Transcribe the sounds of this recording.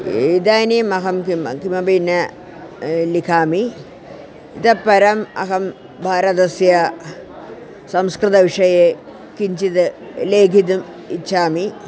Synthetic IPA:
id̪aːnimɐɦɐmkimkimɐbinːɐ | likʰaːmi | it̪ɐpːɐɾɐmɐ̰ɦɐm | bʱaːɾɐt̪ɐsjɐ | sɐmskɾɨt̪ɐʋiʂɐje | kiɲt͡ʃit̪ɨleːɡʱid̪um | it͡ʃʰaːmi

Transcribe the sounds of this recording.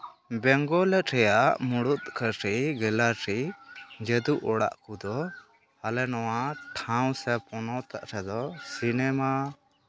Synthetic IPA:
bɛŋɡɔlɛt̪̚ɾɛjaʔmuɽut̪̚kəɾiɡɛlaɾid͡ʒəd̪uʔɔɽa̰ʔkud̪ɔ | halɛnɔwaʈʰãw̃sɛpɔnɔt̪a̰ʔɾɛd̪ɔsinɛma

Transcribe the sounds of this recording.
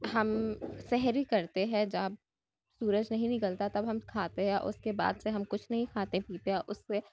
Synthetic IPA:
ɦɐmsɛɦɾikɐɾt̪eɦɛ̃d͡ʒɐb | suːɾəd͡ʒnɐɦĩnɪĩkəlt̪at̪ɐbɦɐmkʰaːt̪eɦɛ̃ʔʊ̰skeba̰ːd̪seɦɐmkʊt͡ʃʰnɐɦĩkʰaːt̪epiːt̪eɦɛʔʊsːe

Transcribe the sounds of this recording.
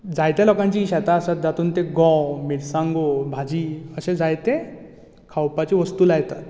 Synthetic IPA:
d͡zajt̪elɔkãɲt͡ɕiːɕɛt̪aːsat̪̚d͡zat̪uːnt̪eɡɔ̃miɽsãŋɡobʱad͡ʑiəɕed͡zajt̪ẽ | kʰawpat͡ɕiʋəst̪ulajt̪at̪

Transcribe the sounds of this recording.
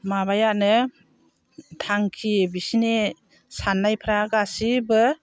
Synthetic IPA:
maβajaʔnɯ | tʰaŋkʰibisine | sanːajpʰɾaɡasibɯ

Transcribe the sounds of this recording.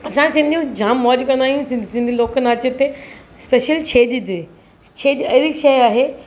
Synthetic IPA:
ɐsãsɪ̃nd̪ʱijũd͡ʑaːmːɔːd͡ʑkɐ̃nd̪aːijũsɪ̃sɪ̃nd̪ʱĩloːkənaːt͡ɕet̪espeːʃəlt͡ɕʰeːd͡ʑd͡ʑɪ | t͡ʃʰeːd͡ʒɐɦɪɾiʃɐjaːɦeː

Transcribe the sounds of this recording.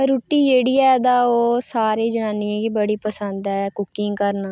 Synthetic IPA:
ɾuːʈːiːd͡ʒeːɽiːɛːd̪aːoːsaːɾeːd͡ʒəɽãːnɪãːɡiːbəɽiːpəsənd̪ɛːkʊkɪ̃ŋɡkəɾnaː

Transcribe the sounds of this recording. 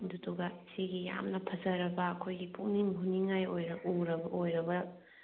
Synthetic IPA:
dutuɡɐsiɡija̰mnɐpʰɐzɐɾɐbɐːkʰojɡipʰuŋniŋɦuniŋajojɾɐuɾɐbojɾɐbɐ

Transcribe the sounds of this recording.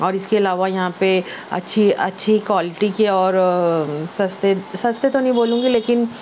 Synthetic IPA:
ɔːɾɪskeɐlaːʋajɐɦãpeɐ̰tːʃʰiɐ̰tːʃʰikwaːlɪʈikeɔːɾ | sɐst̪esɐst̪et̪onɐɦĩboːlũːɡileːkɪn

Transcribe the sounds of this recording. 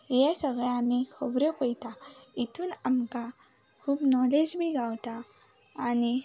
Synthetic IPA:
jasəɡɭəjamikʰobɾəpəjt̪ait̪ʰuːnamka | kʰuːpnɔled͡zbʱiɡʱawt̪aː | ni

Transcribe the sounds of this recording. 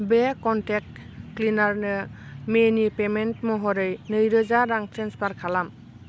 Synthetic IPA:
bekɔntek̚ː | linaɾnɯmenipementmɔɦɔɾɯjnɯjɾɯzaɾaŋtenspaɾkʰalam

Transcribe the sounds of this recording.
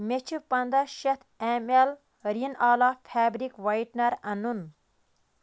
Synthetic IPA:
met͡ʃʰupɐnd̪ɐʃɐt̪ʰemel | ɾinaːlapʰæːbɾikʋɐjʈnɐɾɐnun

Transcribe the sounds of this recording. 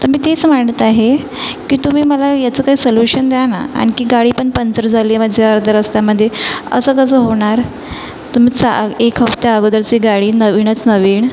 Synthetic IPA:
t̪əɾmiːt̪et͡smaɳt̪əaɦe | kiːt̪um̤iːməlajat͡səːkaɦiːsəljuɕənd̪jana̰a̰ɽ̃ikiːɡaɽiːpəɳpənt͡səɾd͡zʱaliːməd͡ʑʱjaəɾd̪ʱəɾəst̪jaməd̪ʱːjeə̰səːkəsəːɦoɽ̃aɾ | t̪um̤iːt͡saekʰɦəft̪jaəɡod̪əɾt͡ɕiːɡaɽiːnəʋiɳət͡snəʋiːɳ

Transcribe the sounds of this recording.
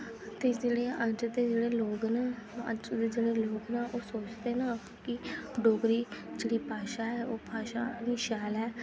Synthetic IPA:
t̪eːd͡ʒeːɽeːəd͡ʒd̪eːd͡ʒeːɽeːloːɡnaːə̰d͡ʒd̪eːd͡ʒeːɽeːloːɡnaːʔoːsoːt͡ʃd̪eːnãː | kɪɖoːɡɾiːd͡ʒeːɽiːpaːʃaːɦɛːoːpaːʃa̰ːniːʃaːlɛː

